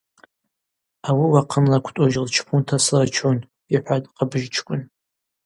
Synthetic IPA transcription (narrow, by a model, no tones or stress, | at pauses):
awiwaqʰənlakʷʰtʼoʒlt͡ʃʰpʰʊntʰasɨlat͡ʃʰon | iħʷadʼqabʒt͡ʃʰkʷʼʊn